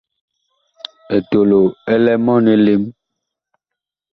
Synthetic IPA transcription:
e˨to˨lo˨ɛ˦lɛ˦mɔ˦ne˦le˦m

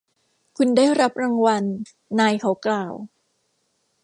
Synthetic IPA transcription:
kʰu˧ndaː˥˩jɾa˦˥p̚ɾaː˧ŋwa˧nː | aː˧jkʰa˩˦wklaː˨˩w

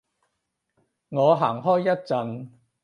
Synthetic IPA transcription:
ŋɔː˨˧ɦaː˨˩ŋɦɔː˥jːɐ˥t̚t͡sɐ˧n

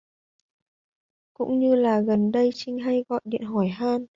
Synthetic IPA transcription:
kʊ̰˧˥ŋ͡mɲɨ˧laː˨˩ɣə˨˩nɗə˧jt͡ɕï˧ŋ̟ɦa˧jɣɔ̰˧˨jɗḭ˧˨ənɦɔ˧˩jɦaː˧n

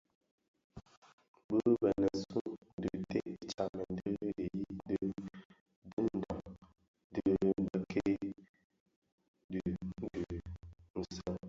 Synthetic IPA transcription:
bə˦bɛ˨nə˨ssu˦ʔn̩˦də˨te˦ʔt͡ʃa˨nə˨n̩˦də˦lə˨ji˦də˦ | bə˦n̩˦da˨ | n˦də˨˦bə˨kʰe˦ | də˨n̩˦də˨n̩˨sə˦

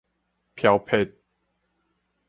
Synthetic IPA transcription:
pʰja˧ʊpʰe˦t̪̚

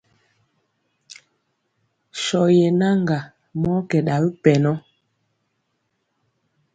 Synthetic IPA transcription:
ʃɔ˨jɛ˨na˦ŋɡa˨ | mɔ˦kɛ˨ɗa˨bi˦pɛ˨nɔ˦

